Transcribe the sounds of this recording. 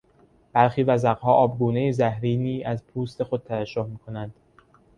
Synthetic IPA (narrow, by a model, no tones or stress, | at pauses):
b̥æɾxiːvæzæɣhɒːʔɒːbɡuːne̞jezæhɾiːniːʔæzpʰuːst̪e̞xo̞d̪̥̚t̪ʰævæd͡ʒːohmiːkʰo̞nænd̪̥